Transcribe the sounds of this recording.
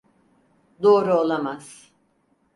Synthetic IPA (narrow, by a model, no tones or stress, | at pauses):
d̪o̞ːɾuolˠamaz̥